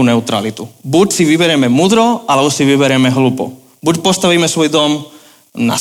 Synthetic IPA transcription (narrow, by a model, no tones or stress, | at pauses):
unɛʊt̪ɾa̰lit̪ubucsiʋibɛɾɛmɛmud̪ɾɔalɛbɔsiʋibɛɾɛmɛɦlupɔ̰ | bucpɔst̪aʋiːmɛsʋɔjd̪ɔm | na̰